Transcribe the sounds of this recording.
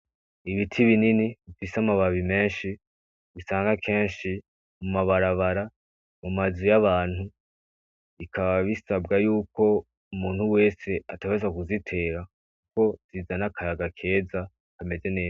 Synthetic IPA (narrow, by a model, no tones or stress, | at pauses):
iβitʰiβininiβifisamaβaβime̞ːnʃi | βisaːŋɡakʰe̞ːnʃi | mumaβaɾaβaɾa | mumazujaβaːn̥hu | βikʰaβaβisabɡajuːko̞ | umuːn̥huwe̞ːse̞ataβezakuzitʰe̞ːɾa | kuko̞z̥izanakʰajaɡakʰe̞ːza | kame̞ze̞ne̞ːza